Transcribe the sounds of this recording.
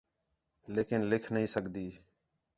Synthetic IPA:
leːkɪnlɪkʰnəɦĩːsəɡd̪iː

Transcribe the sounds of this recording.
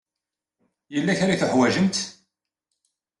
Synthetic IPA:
jəlːæçaɾaθəħwæʒənt̪

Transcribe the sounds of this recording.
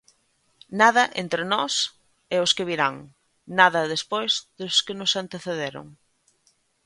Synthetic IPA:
nað̞ɐʔent̪ɾenɔs | ɪʊskɪβiɾaŋ | naðɐðespojzðʊskɪnʊsant̪eθeðeɾʊ̰ŋ

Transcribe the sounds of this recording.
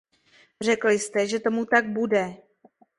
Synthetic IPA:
r̝ɛklɪst̪ɛʒɛt̪o̞mut̪aɡ̚budɛ

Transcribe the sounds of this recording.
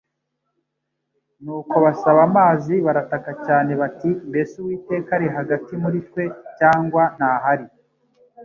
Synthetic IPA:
nuːko̞βasaβamaːziβaɾatakacaːne̞βatimbe̞suwiːte̞ːkaɾiɦaɡatimuɾitkwe̞caːŋɡwan̥haːɦaɾi

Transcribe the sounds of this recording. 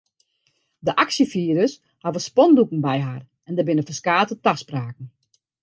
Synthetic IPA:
dəʔaksjəfiəɾəs | haʋəspɔndukn̩bɛjɦar | ɛndəbɪnəfəskaːtətaspraːk̚n̩

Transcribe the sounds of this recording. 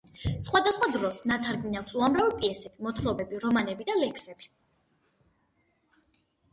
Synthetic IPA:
sχwad̪asχwad̪ɾɔsnat̪ʰaɾɡninakʷsuamɾavipʼiɛsɛbimɔt̪ʰɾɔbɛbiɾɔmanɛbid̪alɛkʰsɛb̥i

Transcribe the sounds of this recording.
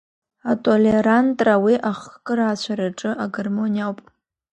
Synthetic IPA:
atʼoleɾantʼrawiʔaχkʼɨɾat͡ɕʷʰaɾaʈ͡ʂʼɨʔaɡermo̞nʲijawpʼ

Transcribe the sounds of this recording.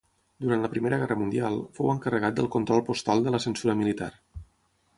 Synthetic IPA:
d̪uɾant̪ləpɾimeɾəɣɛrəmund̪ialˠfowəŋkərəɣat̪̚d̪əlˠkunt̪ɾɔlˠpust̪alˠd̪ələsənsuɾəmilit̪a̰r

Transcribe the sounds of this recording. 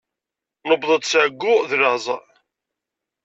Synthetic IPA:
nəbðˤəd̪ˤsʕɡːʊðlɑzˤ

